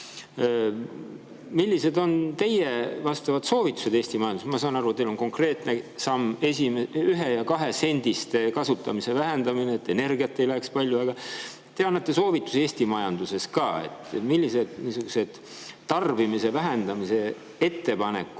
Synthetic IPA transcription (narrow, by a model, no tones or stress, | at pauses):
milʲːise̞d̪o̞nt̪e̞jevɑst̪ɑvɑt̪so̞ːvit̪ːˑu̥se̞d̪eːsʲt̪imɑjɑnd̪usmɑs̬ɑːnɑɾuet̪ːejlo̞nko̞ŋkre̞ːt̪nesɑmːesimyɦe̞jɑkɑɦe̞se̞nʲd̪̥ist̪ekɑsut̪ːˑɑmise̞væɦend̪ɑmineːt̪ːˑe̞ne̞rɡiɑt̪ːe̞jlækspɑlʲjuɑɡ̥ɑ | t̪e̞ɑnːɑt̪ːe̞so̞ːvit̪ːˑu̥see̞ːsʲt̪imɑjɑnd̪̥use̞skɑːe̞̰t̪ːmilʲːise̞d̪̥niːsuɡ̥use̞d̪̥ | t̪ːɑrvimise̞væɦe̞nd̪ɑmise̞ | e̞t̪ːe̞pɑne̞̰kːˑu